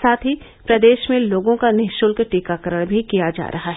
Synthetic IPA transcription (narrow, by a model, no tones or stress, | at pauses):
saːt̪ʰɦi | pɾɐd̪eːʃmẽloːɡõkanɪɦʃʊlkʈiːkakəɾəɽ̃bʱikijad͡ʒa̰ːɾʔɐɦaɦ